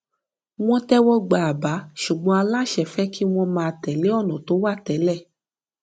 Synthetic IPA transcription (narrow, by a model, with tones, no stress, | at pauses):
w̃ɔ̃˦tɛ˦wɔ˦ɡ͡ba˨a˨ba˨˦ʃu˨ɡ͡bɔ̃˨˧˦a˧la˦˨ʃɛ˦˨fɛ˦ki˦w̃ɔ̃˦˧mãː˧˨˧tɛ˨le˦ɔ˦˨nɔ̃˨to˨˦wa˦˨tɛ˨˦lɛ˦˨